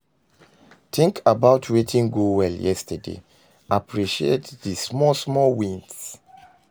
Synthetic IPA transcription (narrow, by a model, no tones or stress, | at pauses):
tĩŋkʰabaʊtʰwetʰĩŋɡowɛljɛstʰədḛ | ʔapʰɹiʃietðismɔsmɔwĩns